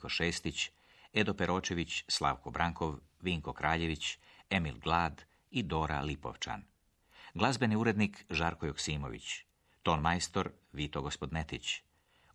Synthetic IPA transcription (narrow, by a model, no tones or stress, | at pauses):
koʃeːst̪it͡ɕ | ed̪o̞peɾo̞ːt͡ʃe̞ʋit͡ɕslˠa̰ʋko̞bɾʔaŋkʰo̞ʋ | ʋiːŋko̞kɾaːʎe̞ʋit͡ɕemilɡlˠaːd̪ | id̪o̞ɾa̰lipo̞̰ʋt͡ʃa̰n | ɡlˠazbe̞niuɾe̞d̪nikʒaɾko̞joksiːmo̞̰ʋḭt͡ɕ | t̪onmajst̪o̞ɾ | ʋit̪oɡospo̞d̪net̪it͡ɕ